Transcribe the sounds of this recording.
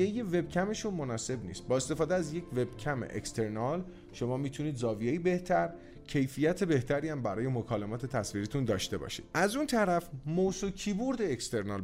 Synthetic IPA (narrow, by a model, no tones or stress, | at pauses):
ejeve̞bcʰæme̞ʃunmonɒːse̞bnḭːst̪̚bɒːe̞st̪e̞fɒːd̪eæzje̞kcʰve̞bcʰæmḛʔḛkst̪e̞ɾnɒːl | ʃo̞mɒːmiːt̪ʰuniːd̪zɒːvijeibe̞ht̪ʰæɾ | cʰe̞jfijæt̪ʰe̞be̞ht̪ʰæɾiæmbæɾɒːje̞mokʰɒːlemɒːt̪ʰe̞t̪ʰæsviːɾit̪ʰund̪ɒːʃt̪e̞bɒ̰ːʃḭːd̪ʔæzunt̪ʰæɾæfmosocʰiːbuɾd̪eːkst̪e̞ɾnɒːl